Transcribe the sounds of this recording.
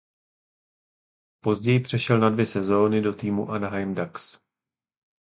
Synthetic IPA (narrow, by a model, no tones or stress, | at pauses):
po̞zɟɛjɪpr̝̥ɛʃɛlnadvjɛsɛzo̞ːnɪdo̞t̪iːmuʔanaɦajmdaks